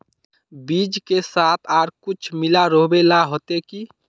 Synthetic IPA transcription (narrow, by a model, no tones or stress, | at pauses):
biːd͡ʒkesaːt̪ʰaːɾkut͡ʃʰmilaɾoɦbelaɦot̪eki